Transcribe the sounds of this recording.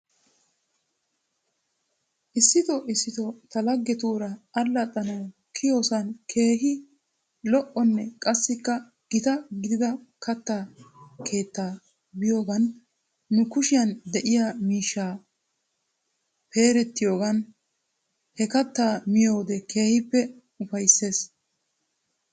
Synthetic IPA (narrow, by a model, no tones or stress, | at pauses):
ʔɪsːɪt̪ɔʔɪsːɪt̪ɔt̪ɐlɐɡːɛt̪uːɾɐːlːɐt̪ʼːɐnɐw | kʰɪjo̞ːsɐnkʰe̞ːhɪ | lɔʔɔnːɛkʼɐsːɪkːɐ | ɡ̥ɪt̪ɐɡɪd̪ɪd̪ɐkʰɐt̪ːaːkʰe̞ːt̪ːaː | bɪjo̞ːɡɐnː | ʊkʊʃɪjɐnd̪ɛʔɪjamiːʃːaː | pe̞ːɾɛt̪ːɪjo̞ːɡɐn | hɛkɐt̪ːaːmɪjo̞ːd̪ɛkʰe̞ːhɪpːɛ | ʊfɐjsːe̞ːs